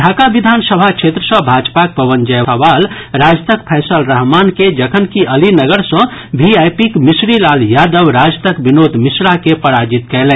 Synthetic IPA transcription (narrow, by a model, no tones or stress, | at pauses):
ɖʱaːkabid̪ʱaːnsəbʱakʃʰet̪ɾəsə̃bʱaːd͡ʒpak̚pəʋənd͡ʒəəʋaːl | ɾaːd͡ʒt̪əkpʰɛːsəlɾəɦmaːnked͡ʒəkʰənkiʔəlinəɡəɾsə̃ | bʱiajpikmisɾilaːljad̪əʋɾad͡ʒt̪əkbinoːd̪ʱmisɾakepəɾad͡ʒit̪kɛlɛ̃